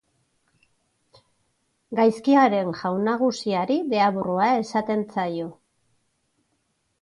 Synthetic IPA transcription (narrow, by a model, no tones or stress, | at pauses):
ɡajskiaɾe̞ŋʝawnaɣ̞usiaɾiðe̞aβuruae̞sat̪e̞nt͡sajo̞